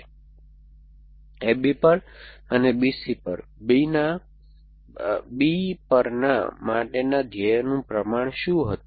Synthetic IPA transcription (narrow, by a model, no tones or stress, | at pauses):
ebipəɽənebisipə̰ɾbina | bipəɾna̰maʈenad̪ʱjəjnũpɾəmaɳ̃ʃũɦət̪ũ